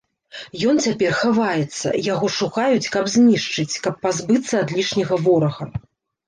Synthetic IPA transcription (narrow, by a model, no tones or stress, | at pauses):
jɔnt͡sʲapʲɛrxavajɛt̪sːɐ̰jaɣɔʂuxajut͡sʲkɐbzʲnʲiʂt͡ʂɨt͡sʲkɐpːazbɨt̪sːɐːd̪lʲiʂnʲɐɣɐvɔɾɐɣɐ